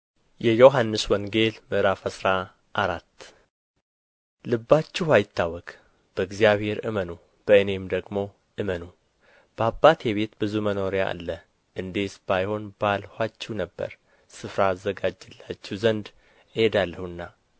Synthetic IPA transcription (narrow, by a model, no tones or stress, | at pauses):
jɛjo̞ɦanːɨswɔŋɡe̞lmɨʔɾafəsɾa | ʔaɾat̪ː | lɨbːat͡ʃːɛhajɪt̪ʰːawɔkʼ | b̥əɨɡzijaβhe̞ɾɨ̰mənu | b̥əɨne̞md̪əɡmo̞ | ʔɨmənu | b̥əabːat̪ʰeβe̞t̪bɨzuməno̞ɾeja̰ʔa̰lːə | ʔɨnd̪e̞sbajho̞nbalhat͡ʃːɛwnəbːə̰ɾ | sɨfɾaːzːəɡad͡ʒːɨlːat͡ʃːɛwzənd̪ | ɨhed̪alːəhuɨnːa